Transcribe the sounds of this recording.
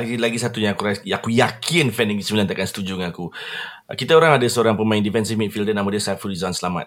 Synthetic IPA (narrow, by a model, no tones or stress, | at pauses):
ɡilaɡisat̪uɲaakuɾaakujakʰɪnfɛndəŋisəmilant̪akansə̥t̪ud͡ʒʊŋaku | kit̪aoɾaŋadasəoɾaŋpəmãɪndifɛnsimit̪̚fildənamadiəsaat̪̚fuɾizɔnsəlama̰t̪